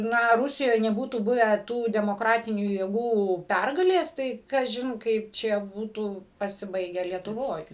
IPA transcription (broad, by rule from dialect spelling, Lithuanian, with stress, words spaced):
ˈnɐ ˈrʊsʲɪjoːj nʲɛˈbuːtuː ˈbʊʋʲæː ˈtuː dʲɛmoːˈkrɑːtʲɪnʲuː jeːˈɡuː ˈpʲɛrɡɐlʲeːs ˈtɐɪ kɐˈʒʲɪn ˈkɐɪp t͡ʃʲɛ ˈbuːtuː pɐsʲɪˈbɐɪɡʲɛ lʲiɛtʊˈʋoːj